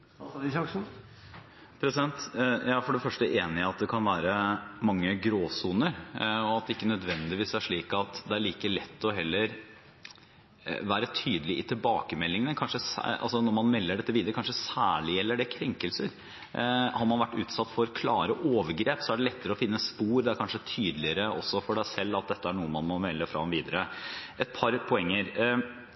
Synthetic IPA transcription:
pʰɾɛsɪd̪ɛnt̪jæææfɔɖɛfœʂʈəʔeːnɪɑt̪̚d̪ɛkʰɑnʋæːɾəmɑŋːəɡɾoːsuːnəɾɔɑt̪̚d̪ɛɪkːənœd̪ʋɛnd̪ɪʋiːsæʂɭiːkɑt̪d̪ɛæɭiːkəɭɛt̪ːɔɦɛlːəɾ | ʋæːɾət̪ʰyːd̪əlɪʔɪt̪ʰɪlbɑ̰ːkəmɛlːɪŋənəkʰɑnʂəsɑ̰lsɔnɔɾmɑnmɛlːəɖɛt̪ːəʋiːd̪əɾəkɑnʂəsæːɭɪɛlːəɖɛkʰɾɛŋkəlsəɾ | hɑɾmɑnʋæʈːʉːt̪sɑt̪ːfɔɾkʰlɑːɾəʔoːʋəɾɡɾeːpsɔæɖɛlɛt̪ːəɾəɔfɪnːəspuːɾd̪ɛæɾkʰɑnʂət̪ʰyːd̪lɪəɾəɔ̰sːɔfɔɖæɪsɛlːɑt̪̚d̪ɛt̪ːəæɳuːəmɑnmɔmɛlːəfɾɑ̰mʋiːd̪əɾəʔɛt̪̚pʰɑɾpʰɔɛŋːəɾ

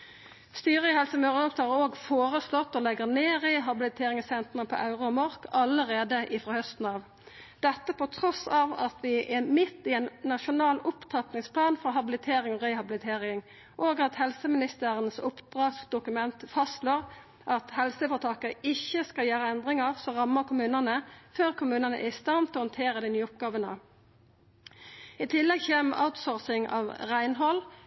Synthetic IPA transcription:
st̪yːʁəɪhɛlsəmøːʁəd̪ɔmst̪ʰɑːoːɡfoːʁəslɔt̪ːɔlɛɡəʁneːɾɪɦɑbɪlɪt̪ʰeːɾɪŋsɛnt̪ʁənəpʰɔ̰ʔɑʉʁʊɔmɔɾkɑləʁeːd̪əʔɪfʁɔhœst̪n̩ɑːʋ | d̪ɛt̪ːəpɔt̪ʰɾɔsɑʋɑt̪ʰʋɪʔɛmɪt̪ːɪɛːnnːɑʃʊnɑːlʊpt̪ʰɑt̪nɪŋspʰlɑːnfɔɦɑbɪlɪt̪ʰeːɾɪŋɔʁɛɪhɑbɪlɪt̪ʰeːɾɪŋ | ʔoːɡɑt̪hɛlsəmɪnɪst̪əʁənsʊpd̪̥ʁɑːsd̪ʊkʉmɛnt̪fɑst̪loːʁ | ʔɑt̪hɛlsəfɔʁt̪ʰɑːkəɪçːəskɑljæːɾəɛnd̪ʁɪŋəʁsɔʁɑmːəʁkʰʊmʉːnənəføːʁkʰʊmʉːnənə̰ʔæɪst̪ɑnt̪ɔhɔnt̪ʰeːɾəd̪ɪnyːʊp̚ɡɑːʋənə̰ | ɪt̪ʰɪlːɛɡçeːmʔa̰ʊt̪sɔːʁsɪŋɑ̰ːʋʁæɪnɦɔl

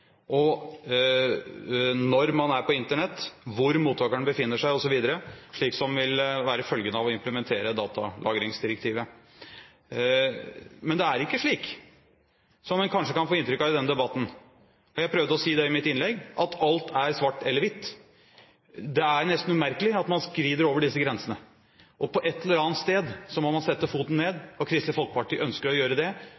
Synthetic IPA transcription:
ʔɔ | nɔɾmɑnæɾpʰɔɪnt̪əɳɛt̪ːʋʊɾmuːt̪ʰːɑːkəɳəbəfɪnːəʂæɪɔsɔʋiːd̪əɾəʂɭiːksɔmʋɪlʋæːɾəfœlɡənəɑʋɔɪmpləmɛnt̪ʰeːɾəd̪ɑːt̪ɑlʔɑ̰ːɡɾɪŋsd̪ɪɾɛkt̪ʰiːʋə | mɛnd̪ɛæɾɪkːəʂɭiːk | sɔmmɛnkʰɑnʂəkɑnfoːɪnt̪ɾʏkːɑʋɪd̪ɛnd̪ɛbɑt̪ːn̩ | ɔjæɪpʰɾøʋd̪əɔsiːd̪ɛɪmɪt̪ɪnlɛɡʔɑt̪ʰɑlt̪ʰæɾsʋɑʈːɛlːəɾʋɪt̪ː | d̪ɛæɾnɛst̪n̩ʉmæɾkəlɪɑt̪mɑnskɾiːd̪əɾoːʋəɖɪsːəɡɾɛnsənə | ʔɔpʰɔʔɛt̪ːɛlːəɾɑːnt̪st̪eːd̪sɔmɔmɑnsɛt̪ːəfuːt̪n̩nːeːd̪ɔkʰɾɪst̪əfɔlkə̥pɑʈiːʔœnskəɾɔjøːɾəd̪ɛ

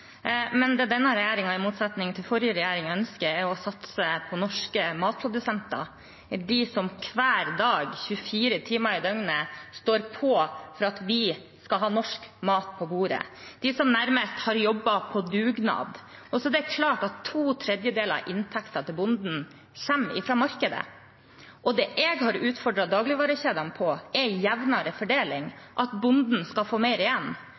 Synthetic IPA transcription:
mɛnd̪ɛd̪ɛnːɑɾɛjæːɾɪŋɑɪmuːt̪sɑt̪nɪŋt̪ʰɪlfɔɾjəɾɛjæːɾɪŋœnskəɾɛɾɔsɑt̪səpʰɔnɔʂkəmɑːt̪̚pʰɾʊd̪ʉsɛnt̪ɑ̰ | d̪ɪsɔmkʰʋæːɾd̪ɑːɡçʉfiːɾət̪ʰiːmɑɪd̪œŋnəst̪oːɾpʰɔfɔɾɑt̪ʋɪ | skɑlɦɑːnɔʂkmɑːt̪̚pʰɔbuːɾə̰d̪̥ɪsɔmnæɾməst̪hɑɾjɔbːɑpʰɔd̪ʉːɡnɑ̰ːd̪ʔɔsɔd̪ɛæɾkʰlɑːʈɑt̪ʰːuːt̪ʰɾɛd̪jəd̪eːlɾɑ̰ʔɪnt̪ʰɛkt̪ɑt̪ʰɪlbʊnd̪n̩ | çɛmːɪ̰fɾɑmɑɾkəd̪ə̰ | ʔɔd̪ɛʔɛɡhɑɾʉːt̪fɔɖɾɑd̪ɑːɡlɪʋɑːɾəɕeːd̪ɑnpʰɔɛjæʋnɑɾəfɔɖeːlɪŋʔɑt̪bʊnd̪n̩skɑfoːmɛɪɾɪjɛnː

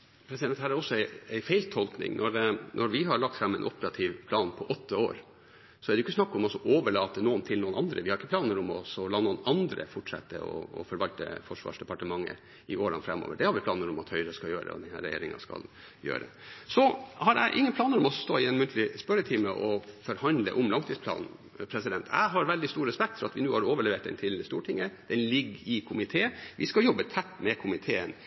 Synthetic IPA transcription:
pʰɾɛsɪd̪ɛnhæːɾæɾɔsːɔæɪæɪfæɪlt̪ʰɔlknɪ̰ŋnʔɔɾnʔɔɾʋɪɦɑɾɭɑk̚t̪fɾɑmːæɪnʔɔpəɾɑt̪ʰiʋpʰlɑːnpʰɔʔɔt̪ːəoːɾ | sɔæɖɛjʏkːəsnɑkːɔmɔsɔʔoːʋəɭɑːt̪ənuːənt̪ʰɪlnuːənɑnd̪ɾəʋɪhɑɾɪkːəplɑːnəɾɔmɔsɔlɑːnuːənɑnd̪ɾə̰fɔʈʂɛ̰t̪ːə̰ɔ̰ːfɔɾʋɑlt̪ə̰fɔʂʋɑ̰ːʂd̪ɛpɑʈəmɑŋːə̰ | ɪoːɾɑnfɾɛmːo̰ːʋəɖɛhɑɾʋɪpʰlɑːnəɾʊmɑt̪hœʏɾəskɑjøːɾə̰ɔ̰d̪ɛnhæ̰ːɾɛjḛːɾɪŋɑ̰skɑ̰l | jø̰ːɾə̰ | sɔhɑɾæ̰ʔɪŋːənpʰlɑːnəɾɔmɔsst̪oːɪɛnmʉnt̪ʰlɪspœɾət̪ʰɪmːəʔɔfɔɾhɑnd̪lə̰ʔʊmlɑŋt̪ʰiːspʰlɑ̰ːnn̩ | pʰɾɛsɪd̪ɛnt̪ʰæ̰ɪɦɑɾʋɛld̪ɪst̪uːɾɛspɛk̚t̪fɔɾɑt̪ʋɪnuːhɑɾoːʋəɭɛʋeːʈd̪ɛ̰nt̪ʰɪləst̪uːʈʰɪŋːəd̪̥ɛnlɪɡːɪkʰʊmɪt̪ʰeːʋɪskɑjɔbːət̪ʰɛt̪ːmɛkʰʊmɪt̪ʰeːən

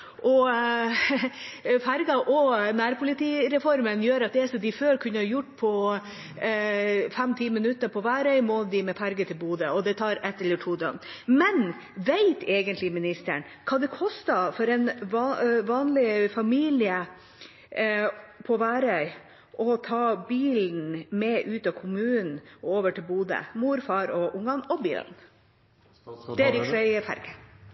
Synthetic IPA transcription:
ʔɔ | fæɾɡɑʔɔnæːɾpʰʊlɪt̪iːɾɛfɔɾmənjøːɾɑt̪̚d̪ɛæʂɔmd̪ɪføːɾkʰʉnːəhɑɾjʊʈːpʰɔ | fɛmt̪ʰiːmənʉt̪ːəpʰɔʋæːɾœʏmɔd̪ɪmɛfæɾɡət̪ʰɪlbuːd̪əɔd̪ɛt̪ʰɑːɾɛt̪ːɛlːəʈʰuːd̪œ̰mmɛn | ʋeɪt̪ʰɛːɡənt̪lɪmɪnɪst̪ə̰ɳkʰɑːd̪ɛkʰɔst̪ɑfɔɾɛnʋɑʋɑːnlɪfɑmiːlɪə | pʰɔʋæːɾœʏ | ʔɔt̪ʰɑːbiːln̩mɛʔʉːt̪ɑkʰʊmʉːnn̩ʔoːʋəʈʰɪlbuːd̪ə̰muːɾfɑːɾɔʔʊŋːɑnɔbḭːln̩ | d̪̥ɛæɾɪksɔɪfæ̰ɾɡə

